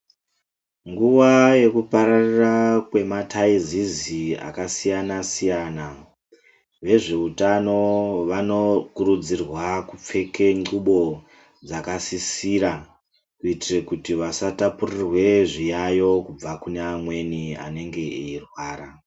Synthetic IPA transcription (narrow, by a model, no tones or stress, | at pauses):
ŋɡuʋaje̞kupaɾarirakwe̞matʰaizizia̰kasijanasijana | ʋe̞ʐe̞utano̞ʋano̞kurud͡zirwakup͡fe̞ke̞ŋ͡ǃuɓo̞ | d͡zakasisiːɾa | kuitirekutiʋasatapurirwe̞ʐijajo̞kub͡vakuneːmwe̞nia̰ne̞ŋɡe̞eirwaːra